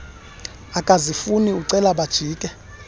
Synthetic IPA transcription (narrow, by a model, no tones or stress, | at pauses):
akʼazifuniuǀɛlaɓad̥ʒ̥ʱiːkʼɛ